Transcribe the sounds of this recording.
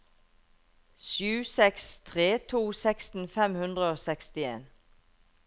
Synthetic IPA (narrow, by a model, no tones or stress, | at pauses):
ʃʉːsɛkst̪ʰʁeːt̪ʰuːsɛkst̪n̩fɛmhʉnd̪ʁəoːsɛkst̪ɪḛːn